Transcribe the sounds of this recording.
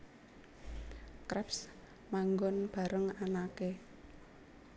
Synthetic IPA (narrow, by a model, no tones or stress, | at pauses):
kɾɛps | maŋɡɔnb̥a̤ɾəŋanake